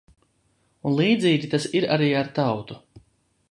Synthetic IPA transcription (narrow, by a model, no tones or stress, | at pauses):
unlˠiːd̪ziːɡʲit̪asiɾaɾiːaɾt̪awt̪u